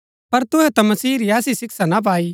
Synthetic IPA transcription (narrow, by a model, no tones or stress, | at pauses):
pɐɾt̪ʊɦɛt̪ɐ̃mɐsiːɾiaːsisɪksanap̬aːi